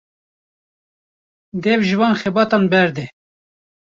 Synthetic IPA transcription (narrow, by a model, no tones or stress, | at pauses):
d̪ɛvʒɨvɑːnxɛbɑːt̪ɑnbɛɾd̪ɛ